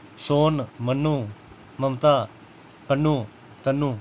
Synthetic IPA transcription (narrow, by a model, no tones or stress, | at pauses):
sonmɐnu | mɐmt̪a | pənu | t̪ɐnu